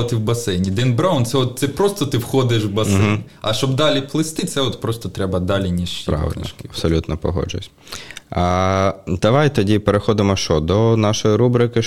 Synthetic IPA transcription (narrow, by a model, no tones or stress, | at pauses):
ɐt̪ɪwbɐsɛjnʲijd̪ɪnbɾawnt̪sɛɔt̪̚t̪sɛpɾɔst̪ɔt̪ɪwxɔd̪ɪʃwbɐsɛ̰nʲ | ɐʃt͡ʃɔbd̪ɑlʲiplˠɪst̪ɪt̪sɛɔt̪pɾɔst̪ɔt̪ɾɛbɐd̪ɑlʲinʲiʃpɾa̰ʋɪ̰lʲnɔʃkɪɐb̥sɔlʲut̪nɔpɔɦɔ̰d͡ʒʊ̰sʲ | ad̪̥ɐʋajt̪ɔdʲipeɾexɔd̪ɪmɔʃt͡ʃɔd̪ɔnɑʃɔjiɾubɾɪkɪ